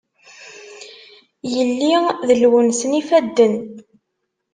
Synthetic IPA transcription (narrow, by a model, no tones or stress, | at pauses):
jəlːiðəlwənsnifæd̪ːən